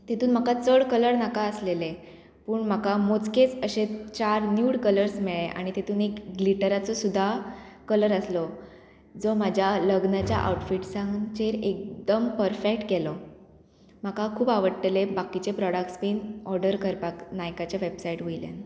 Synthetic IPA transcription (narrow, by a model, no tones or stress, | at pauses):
t̪et̪uːnm̤akat͡səɭkələɾnakaəslele | puːɳm̤akamot͡sket͡səɕet͡ɕaɾnjuːɽkələɾsmɛɭeʔa̰ɽ̃it̪et̪uːnekɡliʈəɾat͡sɔsud̪ʱːakələɾəslɔ | d͡zɔmad͡ʑʱjaləɡnat͡ɕja̰ʔa̰wʈfiʈsãŋɡt͡ɕeɾek̚d̪əmpəɾfekʈkelɔ | m̤akakʰuːbaʋəɽʈ̪ːelebakit͡ɕepɾɔɽakʈspiːnɔɾɖəɾkəɾpaknajkat͡ɕaʋebsaiʈɦoilḛn